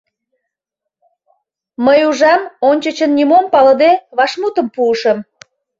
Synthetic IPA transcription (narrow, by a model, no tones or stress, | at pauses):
məjuʒɑmonʲt͡ɕət͡ɕənːʲimompɑlə̆d̪eβɑʃmut̪ə̆mpuːʃə̆m